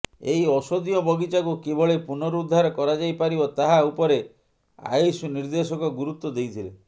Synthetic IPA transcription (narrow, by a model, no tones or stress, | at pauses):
ejɔsod̪iɔbɔɡit͡ʃakukebʱɔɭepunɔɾuud̪ʱːaɾɔkɔɾad͡ʒajpaɾibɔt̪aɦaupɔɾe | a̰jsuniɾd̪esɔkɔɡuɾut̪ːɔd̪ejt̪ʰilḛ